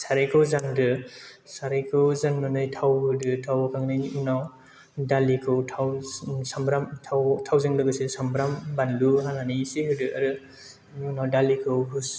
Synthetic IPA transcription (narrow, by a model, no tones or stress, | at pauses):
saɾɯjkʰɯwzaŋdɯ | saɾɯjkʰɯwzaŋnɔnɯjtʰawɯdɯtʰawakʰaŋnɯjniunaw | dalikʰɯwtʰawsambɾamtʰawtʰawzɯŋdɯɡɯsesambɾambanluɦananisiɦɯdɯʔaɾɯ | nawdalikʰɯwɦus